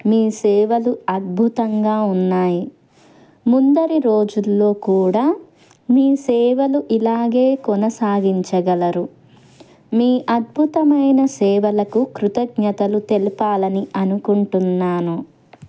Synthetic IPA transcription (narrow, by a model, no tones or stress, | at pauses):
miːsɛːʋɐluɐd̪̚bʱut̪ɐŋɡaːunːaːji | mund̪ɐɾiɾo̞ːd͡ʒulːo̞ːkuːɽaː | miːsɛːʋɐluʔilaːɡe̞ːkɔnɐsaːɡʱiɲt͡ʃɐɡɐlɐɾu | miːʔɐd̪̚bʱut̪ɐmɐjnɐsɛːʋɐlɐkukɾut̪ɐɡɲɐt̪ɐlut̪elipaːlɐniʔɐnukuɳʈunːaːnu